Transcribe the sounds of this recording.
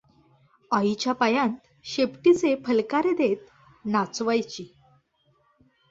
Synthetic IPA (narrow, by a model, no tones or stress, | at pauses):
ait͡ɕjapajãnt̪ | ɕepʈit͡sepʰəlkaɾed̪et̪̚ | nat͡sʋajt͡ɕiː